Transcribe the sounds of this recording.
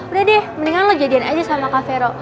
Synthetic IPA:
bədadɛməniŋaŋlɔd͡ʒadianad͡ʒasamakafeɾɔ

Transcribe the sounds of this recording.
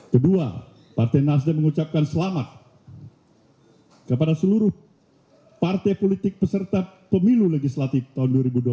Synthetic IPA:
kədua̰ | part̪ɛnas̬daməŋut͡ʃap̚kansəlamat̪̚ | kəpadasəluɾʊh | part̪ejpolit̪ɪk̚pəsərt̪apəmiluləɡislat̪ift̪aɦunduaɾibudua

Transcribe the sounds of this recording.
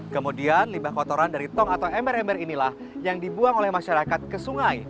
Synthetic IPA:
kəmudianlimbahkɔt̪oɾandaɾit̪ɔŋat̪awɛmbɛɾɛmbɛɾinilah | jaŋdibuaŋolɛhmaʃaɾakat̪̚kəsuŋaj

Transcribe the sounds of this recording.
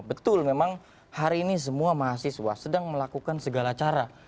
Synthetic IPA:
bət̪ʊlmemaŋ | haɾiːnis̬əmuamaɦasiswa̰sədaŋməlakukansəɡalat͡ʃaɾa

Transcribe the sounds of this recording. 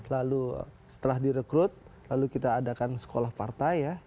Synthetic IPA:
lalṵ | sə̥t̪əlahdiɾəkɾʊt̪̚lalukit̪aːdakansə̥kolahpart̪aja

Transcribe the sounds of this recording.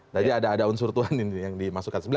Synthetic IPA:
d͡ʒadiadaːdaunsurt̪uaninijaŋdimasukansəbəl

